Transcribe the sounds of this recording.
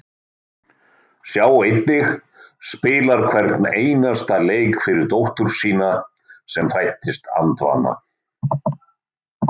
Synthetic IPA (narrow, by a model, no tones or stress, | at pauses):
sjaːwejt̪̚nɪx | spɪːlaɾ̥kʰvɛɾt̪neːjnast̪aleːjkfɪɾɪɾt̪owht̪ʏɾ̥siːna | sɛmfajht̪ɪst̪a̰nt̪va̰ːna̰